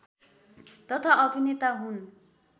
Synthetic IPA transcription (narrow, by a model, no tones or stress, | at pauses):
t̪ʌt̪ʰaʌbʱinet̪aɦun